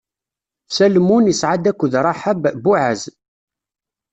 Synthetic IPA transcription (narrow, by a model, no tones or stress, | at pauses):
sælmunəsʕad̪ækʷːəðɾˤɑħəbbuʕaz